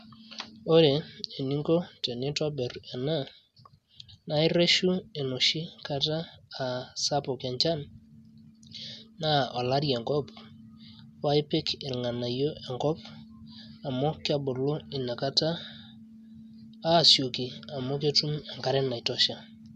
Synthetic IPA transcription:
o˦ɾe˨e˨ni˦ŋɡo˦tɛ˨nɪ˦tɔ˦bɛ˨ɾɛ˨na˦ | na˦ɪ˦ɾe˦ʃu˦e˨nʊ˨ʃi˦ka˦taː˦˨ | sa˦pɔ˨kɛ˨ɲt͡ʃa˦n | na˦ɔ˨la˦ɾjɛ˨ŋkɔ˦p | wa˦ɪ˦pɪ˦kɪ˨lŋa˨na˨jo˦ʔɛ˨ŋɡɔ˦p | a˨mɔ˦kɪ˦a˦bʊ˨lo˦ɪ˨na˨ka˦ta˦˨ | sjo˨ki˨a˨mo˦k̬e˦tu˦mɛ˨ŋka˦ɾɛ˦na˨i˨tɔ˦ʃa˨

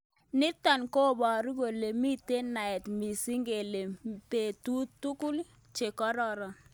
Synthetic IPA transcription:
nɪ˦ta˨nko˦˨bɔ˨ɾi˦ɡo˨le˨mi˦te˦na˨ɛ˨tmi˨si˦ŋɡe˨le˨pe˨tu˦tːu˦ku˦l | t͡ʃe˨kɔ˦ɾɔ˦ɾɔ˨

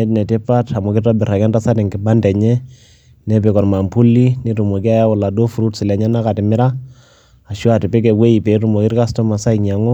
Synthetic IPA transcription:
ɛ˦tnɛ˨tɪ˦pa˦ta˨mʊ˨kɪ˦tɔ˦bɪ˨ɾa˨kɛ˦nta˦sa˦tɛ˨ŋkɪ˨ba˦ndɛ˨ɲɛ˦ | nɛ˦pɪ˨kɔ˨rma˨mpu˦lːi˦ne˨tu˨mo˨ki˦a˦ja˦wʊ˨la˨do˦fu˨ɾu˦tsɪ˨lɛ˨ɲɛ˦na˦ka˨tɪ˨mɪ˦ɾa˦ | a˨ʃɔ˦a˨tɪ˨pɪ˦kɛ˨we˦i˨pe˨˦tu˨mo˨ki˦ɾka˦stɔ˦ma˨sa˦ikɲa˨ŋɔ˦

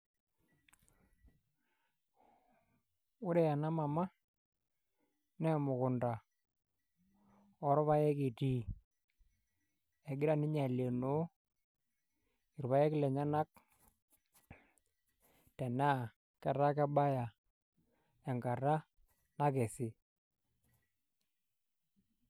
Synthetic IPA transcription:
ʊ˦ɾɛ˨ja˨na˦ma˨ma˦ | nɛ˦mʊ˨kʊ˨nda˨ | ɔ˨˦ɾɔ˦βa˦jɛ˦ki˨ti˦ | ɛ˨ɡɪ˦ɾa˦nɪ˦ɲa˨le˨no˦ | ɪ˨ɾβa˦ɛ˦kɪ˦lɛ˨ɲa˦na˦k̚ | tɛ˨na˦˨ | kɛ˨ɾa˦kɛ˦ɓa˦ja˨ | ɛ˨ŋɡa˨ra˦ | na˦kɛ˨sɪ˨

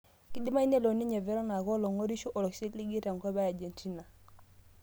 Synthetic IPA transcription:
ki˦di˦ma˦i˦ne˦lo˨ni˦ɲe˨vɛ˦ɾo˦na˨ko˦lo˨ŋo˦ɾi˦ʃu˦ʔɔ˨lɔ˨ksi˦tli˦ɡi˦ta˨ŋkɔ˦ba˦ja˨d͡ʒe˨nt͡ʃi˦na˨

